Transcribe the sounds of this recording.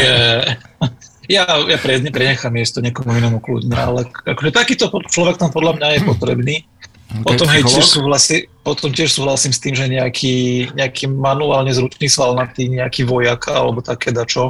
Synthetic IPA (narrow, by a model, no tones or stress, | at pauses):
jɛ | jajapɾɪɛd̪ɲɛpɾɛɲɛxamɪjɛʃt̪ɔɲɪɛkɔmuinɔmuklṵd̪ɲɛa̰lɛakɔʒɛt̪akiːt̪ɔpɔt͡ʃlɔʋɛk̚t̪ampɔd̪lamɲajɛpɔt̪ɾɛ̰bniː | pɔt̪ɔmɦɛjcɪɛʃsuːɦlasipɔt̪ɔmcɪɛʃsuːɦlasiːmst̪iːmʒɛɲɛakʰiːɲɛakʰiːmanuaːlɲɛzɾut͡ʃniːsʋalnat̪iːɲɛakiːʋɔjaka̰lɛ̰bɔt̪akʰɛːd̪at͡ʃɔ